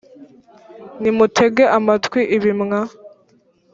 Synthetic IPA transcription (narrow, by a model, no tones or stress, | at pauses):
nimutʰe̞ɡe̞ʔamatkwiʔiβimŋa